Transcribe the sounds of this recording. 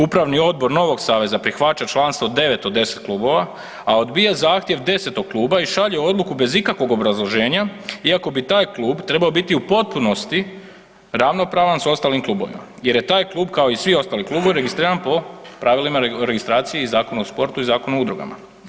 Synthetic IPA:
upɾaʋnio̞d̪̚bo̞ɾno̞ʋo̞ɡsaːʋe̞zapɾixʋat͡ʃat͡ʃlˠanst̪ʋo̞d̪e̞ʋe̞t̪od̪e̞set̪̚klˠuːbo̞ʋa | ao̞d̪bijazaːxt̪je̞ʋd̪e̞se̞t̪o̞ɡ̚klˠuːbaiʃaʎeo̞d̪lˠukube̞zikakʋo̞ɡo̞bɾazlˠo̞ʒe̞ːɲaiako̞bit̪aːjklˠuːbt̪ɾe̞bao̞bit̪iupo̞t̪̚puno̞st̪i | ɾaʋno̞pɾaːʋanso̞st̪aːlimklˠuːbo̞̰ʋḭma̰ | je̞ɾje̞t̪aːjklˠuːbkao̞isʋio̞st̪aːliklˠuːbo̞ʋiɾe̞ɡist̪ɾiːɾanpo̞pɾaʋilimaɾeɡist̪ɾaːt̪sije̞izaːkonuospo̞ɾt̪uizaːko̞nuud̪ɾuɡa̰ma̰

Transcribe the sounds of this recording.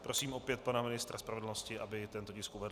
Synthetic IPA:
pɾo̞siːmʔo̞pjɛt̪̚panamɪnɪst̪ɾʔaspɾavɛdl̩no̞scɪʔabɪt̪ɛnt̪o̞cɪskuvɛd

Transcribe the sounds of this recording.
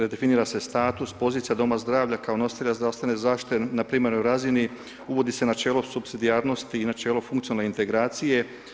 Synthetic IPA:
ɾed̪e̞finiːɾase̞st̪aːt̪uspo̞zit̪ijad̪o̞mazd̪ɾaːʋʎakaonost̪eʎazd̪ɾase̞nezaːʃt̪i̥t̪enapɾiːmeɾnojɾazini | uʋo̞d̪ise̞nat͡ʃe̞ːlosupsid̪ijaːɾno̞st̪iːnat͡ʃe̞ːlofuŋkt̪ionalneint̪e̞ɡɾaːt̪sije̞

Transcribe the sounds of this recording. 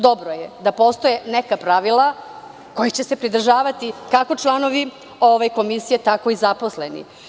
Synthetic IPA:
d̪obɾojed̪apo̞st̪o̞jenekapɾaʋilˠa | ko̞jit͡ɕese̞pɾid̪r̩ʒaːʋat̪ikako̞t͡ʃlˠano̞ʋi | oʋajko̞misijet̪ako̞izapo̞slenḭ

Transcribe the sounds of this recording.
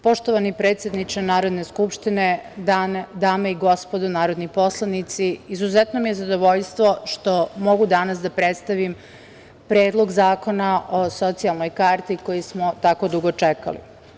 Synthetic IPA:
po̞ʃt̪oʋanipɾeːt̪sʲjed̪nit͡ʃanaːɾo̞d̪ne̞skupʃt̪ined̪aːnd̪aːmaiɡo̞spod̪onaːɾo̞d̪nipo̞slˠanit̪siːzuzɛt̪nomijezad̪o̞ʋo̞ʎst̪ʋo̞ʃt̪o̞mo̞ɡud̪anasd̪apɾet̪st̪aʋim | pɾe̞ːd̪lˠoɡzaːko̞naʔoso̞t̪sialˠno̞jkaːɾt̪iko̞jismo̞t̪ako̞d̪uɡo̞t͡ʂeka̰lḭ

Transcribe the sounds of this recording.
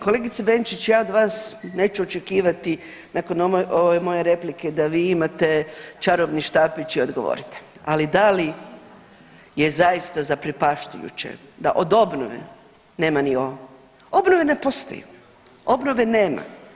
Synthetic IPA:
ko̞le̞ɡit̪sebent͡ʃit͡ɕjaːod̪ʋaːsne̞ːt͡ʃuo̞t͡ʃe̞kiːʋat̪i | nako̞nʔoʋemo̞je̞ɾe̞pliked̪aʋiːimat̪e̞t͡ʃaɾoʋniʃt̪aːpit͡ʃio̞d̪ɡoʋo̰ːɾit̪e̥alid̪ali | jezajist̪azapɾipaʃt̪ujṵt͡ɕḛd̪a̰ʔod̪o̞bno̰ʋḛ | ne̞ːmanio | o̞bnoʋene̞po̞st̪o̰jṵ | o̞bnoʋe̞neːma̰

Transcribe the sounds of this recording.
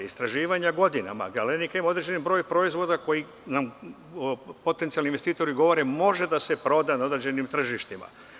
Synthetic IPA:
ist̪ɾaʒiːʋaɲaɡo̞d̪ina̰ma̰ɡalenikaimaod̪ɾe̞d͡ʑe̞nibɾo̞ːjpɾo̞izʋo̞d̪ako̞ji | nam | po̞t̪ent̪ialninʋest̪iːt̪o̞ɾiɡo̞ʋo̞ɾe̞mo̞ʒe̞d̪ase̞pɾo̞d̪anaod̪ɾed͡ʑe̞nimt̪r̩ʒiʃt̪ima̰

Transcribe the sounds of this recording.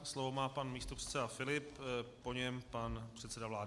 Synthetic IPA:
slovo̞maːpanmiːst̪opr̥ɛ̥t̪sɛdafɪlɪpː | o̞ɲɛmpanpr̝̥ɛt̪sɛdavlaːdɪ

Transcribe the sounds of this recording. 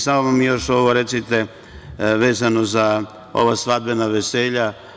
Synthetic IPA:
saʋamamijo̞ʃo̞ʋoɾe̞t̪sit̪e | ʋe̞ːzano̞za | o̞̰ʋasʋad̪̚benaʋeseːʎa

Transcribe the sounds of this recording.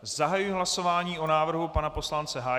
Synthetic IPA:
zaɦajujɪɦlaso̞vaːɲiːʔo̞naːvr̩ɦupanapo̞slant͡sɛɦaː

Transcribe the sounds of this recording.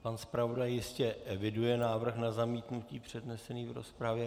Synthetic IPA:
panspɾavo̞dajjɪscɛʔɛvɪdujɛnaːvr̩xnazamiːt̪nuciːpr̝̥ɛdnɛsɛniːvɾo̞̰spɾavjɛ

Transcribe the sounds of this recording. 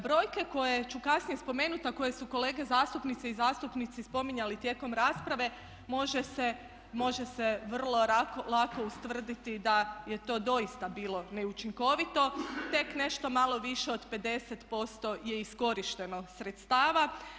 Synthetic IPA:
bɾo̞ːjke̞ko̞je̞t͡ʃukasnije̞spo̞me̞ːnut̪ako̞je̞suko̞le̞ːɡe̞zaːst̪upnit̪seizaːst̪upnit̪sispo̞miɲalit̪je̞ːko̞mɾaːspɾaʋe̞ | mo̞ʒese | mo̞ʒe̞seʋr̩lˠo̞ɾakolako̞ust̪ʋr̩d̪it̪id̪aje̞t̪o̞ːd̪o̞jist̪abiːlˠo̞ne̞ut͡ʃiŋko̞ʋit̪o̞t̪e̞kne̞ʃt̪o̞malˠo̞ʋiʃe̞od̪pe̞d̪e̞set̪po̞st̪o̞je̞isko̞ɾiʃt̪e̞no̞sɾet̪st̪aːʋa

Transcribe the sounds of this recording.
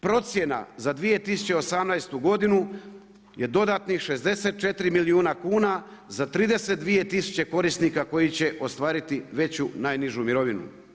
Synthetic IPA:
pɾo̞t̪sje̞na̰zad̪ʋije̞t̪isu̥t͡ɕe̞o̞samnajst̪uɡo̞d̪inu | je̞d̪o̞d̪at̪nixʃe̞zd̪e̞se̞t̪̚t͡ʃe̞t̪ɾimiliuːnakuːnazat̪ɾiːd̪e̞set̪̚d̪ʋije̞t̪isu̥t͡ɕe̞ko̞ɾist̪nikako̞jit͡ɕe̞ʔo̞st̪ʋaːɾit̪iʋe̞t͡ɕunaːjniʒumiɾo̞ʋinṵ

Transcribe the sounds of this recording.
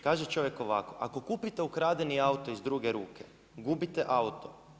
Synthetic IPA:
kaːʒet͡ʃo̞ʋjeko̞ʋa̰ko̞ʔako̞kuːpit̪eukɾaːd̪eniaut̪o̞izd̪ɾuːɡeɾṵːkʰe | ɡubit̪eʔaut̪o

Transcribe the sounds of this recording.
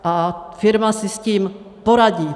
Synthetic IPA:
ʔafɪɾmasɪsciːm | poɾaɟiː

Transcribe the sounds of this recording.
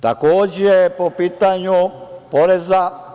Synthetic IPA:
t̪akoːd͡ʑejepopiːt̪aɲupoɾeza

